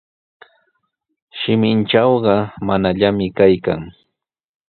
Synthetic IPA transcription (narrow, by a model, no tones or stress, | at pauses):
ʃɪmɪnt͡ʃɑwɢɑmanaʎamɪkajka̰ŋ